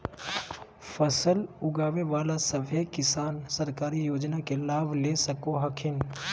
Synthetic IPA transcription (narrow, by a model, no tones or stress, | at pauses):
fəsəlʊɡaːʋeʋaːlasɐbʱekɪsaːnsɐɾkaːɾijoːd͡ʒnakelaːbʱlesəkoɦɐkʰɪn